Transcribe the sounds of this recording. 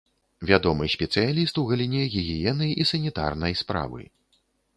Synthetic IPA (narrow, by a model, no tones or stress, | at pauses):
vʲad̪ɔmɨsʲpʲɛt̪sɨjalʲist̪uɣɐlʲinʲɛɣʲiɣʲijɛnɐjisɐnʲit̪a̰rnɐjspɾa̰vɨ̰